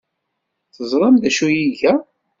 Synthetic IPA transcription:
θəzˤɾˤɑmðæʃujiʝæ

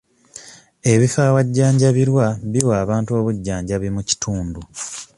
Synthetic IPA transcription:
e̞βifaːwaɟːaːɲɟaβiɾwaβiwaːβaːntuo̞ːβuɟːaːɲɟaβimuci̥tʰuːndu

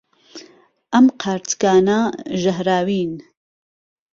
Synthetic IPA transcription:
ʔɐmqʰaːɾt̪ɡaːnɐʒɐɦɾaːwiːn

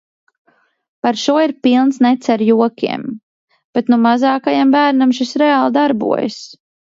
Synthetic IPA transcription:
paɾʃuɔiɾpilˠnsnɛt̪sɛɾjuɔkʲḭɛm | b̥et̪numazɑːkajambæːɾnamʃisɾɛalˠd̪aɾbṵɔja̰s

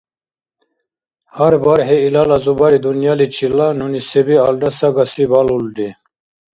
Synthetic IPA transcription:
haɾbaɾɦeilalazubaɾid̪unjalit͡ɕʰilanunisebialɖasaɡasibaluldi

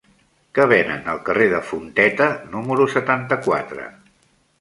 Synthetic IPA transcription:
kəβ̞ɛnə̰nəlˠkəreðəfunt̪ɛt̪ənuməɾusət̪ant̪əkwat̪ɾə̰

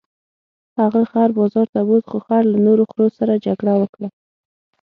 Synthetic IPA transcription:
haɣaxaɾbɑzɑɾt̪abod̪xoxaɾlanoɾoxɾosaɾad͡ʒaɡɽawəkɽa

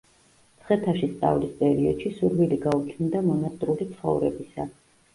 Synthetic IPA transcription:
t̪sʰχɛt̪ʰaʃist̪ʼa̰vlispʼɛɾiɔ̰d̪̥ʃisuɾviliɡaut͡ʃʰnd̪amɔnat̪ʼɾulit̪sʰχɔ̰vɾɛ̰bisa

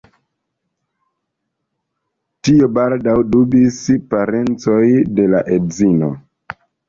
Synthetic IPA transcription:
tiobaldawdubispaɾe̞nt͡so̞jde̞laʔedzino̰

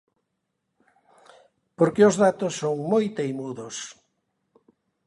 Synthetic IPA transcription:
poɾkeʊzðat̪ʊsːoŋmojt̪ejmuðʊs

